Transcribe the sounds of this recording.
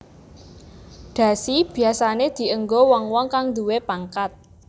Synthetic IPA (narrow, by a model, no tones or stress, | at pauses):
ɖ̪̥ä̤sib̥i̤asaned̪̥i̤ʔəŋɡowɔŋwɔŋkaŋd̪uwepaŋkat̪̚